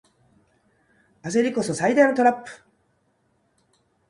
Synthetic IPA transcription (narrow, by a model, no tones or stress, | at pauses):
ase̞ɾʲiko̞sosaid̪ainot̪o̞ɾapːɯ̥